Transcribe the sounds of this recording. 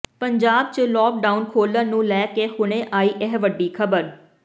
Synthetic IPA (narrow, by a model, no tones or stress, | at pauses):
pəɲd͡ʒaːb̚t͡ʃlɔːk̚ɖaːʊnkʰoːlə̃ːnũːlɛːkeːhʊɽ̃ẽːʔaːiːʔɛɦʋəɖːiːkʰəbəɾ